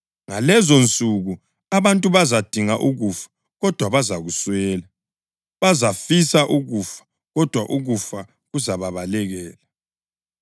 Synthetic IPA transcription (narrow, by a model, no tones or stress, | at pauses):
ŋalɛzont͡sʼuɣu | aβantʼuβazad̥ʱiŋaʔuɣufḁ | ɣɔd̥ʱwaβazaɣuswɛːla | βazafisaʔuɣufḁ | ɣɔd̥ʱwaʔuɣufa | ɣuzaβaβalɛɣɛːla